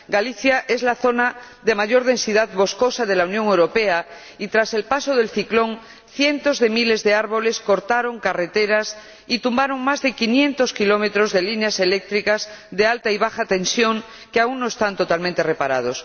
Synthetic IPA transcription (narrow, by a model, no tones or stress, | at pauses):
ɡaliθjaʔe̞zlaθo̞naðe̞maʝo̞ɾð̞ẽ̞nsiðaðβo̞sko̞saðe̞launjõ̞ŋewɾo̞pe̞a | it̪ɾase̞lpaso̞ð̞e̞lθiklo̞ŋ | θje̞nt̪o̞zðe̞mile̞zðe̞aɾβo̞le̞sko̞ɾt̪aɾo̞ŋkare̞t̪e̞ɾas | it̪umbaɾo̞ŋmazðe̞kinjẽ̞nt̪o̞skilo̞me̞t̪ɾo̞zðe̞linease̞le̞k̚t̪ɾikazðe̞alt̪aiβ̞axat̪ẽ̞nsjo̞ŋ | keaunno̞e̞st̪ant̪o̞t̪almẽnt̪e̞re̞paɾað̞o̞s